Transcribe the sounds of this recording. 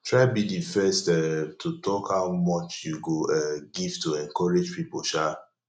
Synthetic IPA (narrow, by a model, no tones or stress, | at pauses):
tɹaɪbidifɛstɛtʰutʰɔkhaʊmɔt͡ʃjuɡoɛɡivtuɛ̃ŋkɔɾed͡ʒpipoʃa